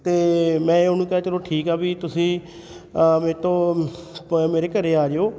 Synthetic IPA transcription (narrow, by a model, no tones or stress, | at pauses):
t̪eːmɛ̃ːʊɦnũːkɛaːt͡ʃəlõːʈʰiːkɛːbiːt̪ʊsĩː | meːt̪õː | meːɾeːkəɾeːaːɾeoː